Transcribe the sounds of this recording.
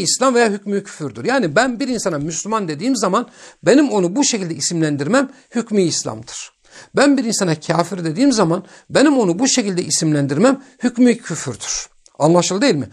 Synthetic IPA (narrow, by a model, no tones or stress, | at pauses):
islʲamvejaːɦycmicʰy̥fyɾd̪yɾjaːnibænbiɾinsanamyslʲymand̪e̞d̪iːmzamanbe̞nimo̞nubuʃecʰilʲd̪ɛisimlʲænd̪iɾmæm | hycmiːslʲa̰md̪ɯ̥ɾ̥ | bænbiɾinsanacʰaːfiɾd̪e̞d̪iːmzaman | be̞nimo̞nubuʃecilʲd̪ɛʔisimlʲænd̪iɾmæmhycmicʰyfyɾd̪yɾ̥ | anlˠaʃɯlˠɯd̪eilʲmi